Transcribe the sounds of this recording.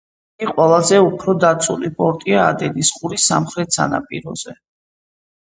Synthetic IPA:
ɡiqʼwɛlˠazɛupʰɾɔd̪at̪sʰʼulipʼɔɾt̪ʼia̰ːd̪ɛnisqʼuɾisamχɾɛt̪ʰsa̰na̰pʼḭɾɔ̰z̥ɛ

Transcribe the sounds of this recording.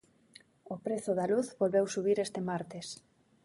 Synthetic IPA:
ʊpɾeθʊðaluθβolβewsuβ̞iɾest̪emaɾt̪es

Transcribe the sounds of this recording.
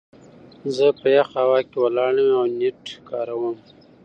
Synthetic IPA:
zəpəjaxawɑkewəlɑɽəwawneʈkɑɾawəm

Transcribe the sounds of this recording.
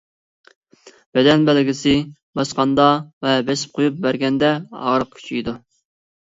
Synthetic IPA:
b̥ɛd̪ɛnbælɪɡʲɪsɪ | bɑsqɑnd̪ɑvɛbɛsɪ̥p̚qʰojup̚bæɾɡʲɛnd̪ɛɑ̰ʁəɾəq̚kʲʰy̥t͡ʃʰijd̪u

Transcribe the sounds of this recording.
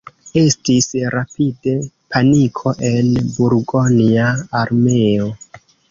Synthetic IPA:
e̞stisɾapide̞ | pʰanikʰo̞ʔe̞nbuɾɡoniaːɾme̞o

